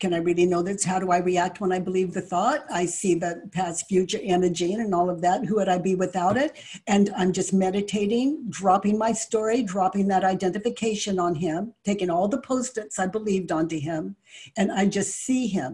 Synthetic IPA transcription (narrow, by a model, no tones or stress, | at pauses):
kʰɨ̃ñaɪɹɪlˠinoʊðɨtshaʊɾəaɪɹiæk̚t̚wə̃naɪbəlivðɨθɔtaɪsiðɨt̚pʰæstfjʉt͡ʃə˞ʔɛnə˞d͡ʒĩnɨ̃nɔlˠʌvðæt̚huɨɾaɪbiwɨθaʊɾɪt̚ | ɨ̃nãɪ̃md͡ʒʌst̚mɛɾɨtʰeɪɾɪ̃ŋdɹɑpɪ̃ŋmaɪstɔɹidɹɑpɪ̃ŋðɨɾaɪdɛ̃ntɨfɨkʰeɪʃɨ̃nə̃nɪ̃mtʰeɪkɪ̃ŋɔlˠðəpʰoʊstɨ̃ntsaɪbəlivdə̃ntɨɪ̃mɨ̃naɪd͡ʒʌstsiɪ̃m